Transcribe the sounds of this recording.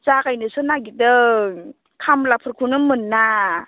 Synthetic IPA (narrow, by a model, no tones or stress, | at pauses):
zakajnɯsɯnaɡidɯ | kʰamlapʰɯɾkʰunɯmɯnːa